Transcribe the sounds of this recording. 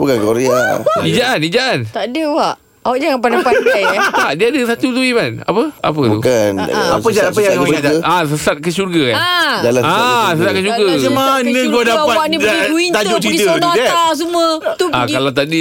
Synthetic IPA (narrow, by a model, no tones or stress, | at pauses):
bukankoɾea̰id͡ʒaʔanid͡ʒaʔant̪aʔdəwaʔ | waʔd͡ʒaŋanpanapaat̪aʔdiadəsat̪ut̪uimanapəa̰p̬ət̪uṵkanaəd͡ʒaapajat̪əas̬əsat̪̚kəʃurɡakand͡ʒalaasəsat̪̚kat͡ʃuɡaəmanə̃ɡadaawaʔniduint̪ad͡ʒot͡ʃitənaas̬umət̪uakalat̪adi